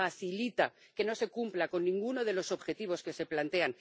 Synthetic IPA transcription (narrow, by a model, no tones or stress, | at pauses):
aθilit̪a | ke̞no̞se̞kumplako̞nːĩŋɡuno̞ð̞e̞lo̞so̞βxe̞t̪iβ̞o̞ske̞se̞plant̪e̞an